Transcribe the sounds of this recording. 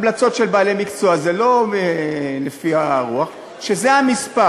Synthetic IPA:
mlat͡so̞tʃelbaːlemikt͡so̞azelo̞elefiaʁuaχ | ʃezeɦamispa

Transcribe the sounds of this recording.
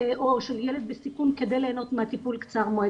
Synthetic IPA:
ʔoʃeljeled̪̚besikunked̪ejleːno̞t̪meat̪ipulkt͡saʁmoe

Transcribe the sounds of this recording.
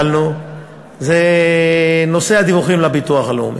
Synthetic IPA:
lnu | ze | nosead̪ivuχimlabit̪uaχalo̰m

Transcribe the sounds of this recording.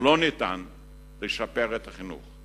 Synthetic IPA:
lonit̪a̰n | leʃapeʁet̪aχinṵχ

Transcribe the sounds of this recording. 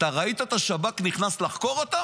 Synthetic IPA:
t̪aʁait̪at̪aʃabakniχnaslaχko̞ʁot̪a

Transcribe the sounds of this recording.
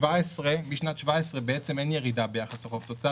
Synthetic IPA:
vaɛsʁemiʃnatt͡ʃvaɛsʁɛbɛɛt͡sɛmɛnjɛʁidabejaχasaχoft̪ot͡sa

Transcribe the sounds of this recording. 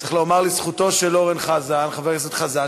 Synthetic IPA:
t͡se̥χloːmaʁlisχut̪o̞ʃeloʁenχazanχaveksot̪χaza

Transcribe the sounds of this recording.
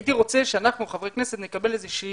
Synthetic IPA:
t̪iʁo̞t͡seʃeanaχnueχavʁejkneset̪nekabelezeʃi

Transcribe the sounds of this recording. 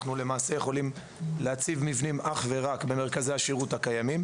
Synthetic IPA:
nule̞maːse̞jeχo̞lim | leat͡sivmivnimʔaχve̞ʁakbe̞me̞ʁkazejaʃiʁuthakajamim

